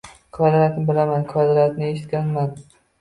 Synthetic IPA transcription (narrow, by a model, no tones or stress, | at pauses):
qʰvad̪ɪɾat̪nɪbɪlamankʰad̪ɾat̪nɪeʃɪt̪̚kʲanman